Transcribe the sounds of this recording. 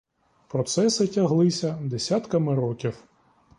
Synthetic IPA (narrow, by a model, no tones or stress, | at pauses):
pɾɔt̪sɛsɪtʲɐɦlˠɪsʲɐd̪esʲat̪kɐmɪɾɔkʲiw